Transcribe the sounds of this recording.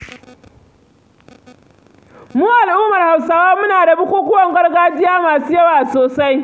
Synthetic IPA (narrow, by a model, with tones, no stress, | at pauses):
muː˦ʔa˨lʔʊː˦mɐ˨rha˨wsaː˦waː˦mʊ˦naː˨da˨bʊ˦kʷuː˦kʷʊ˦wɐ˨ŋɡɐ˦rɡaː˦d͡ʒɪ˦jaː˦maː˨suː˦jɐ˦waː˨soː˨sa˦j